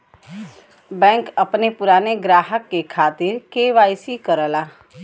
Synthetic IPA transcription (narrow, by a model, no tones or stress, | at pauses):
bɛ̃ːŋkɐpnepʊɾaːneɡɾaːɦəkːekʰaːt̪ɪɾkeːʋaːɪsikəɾəlaː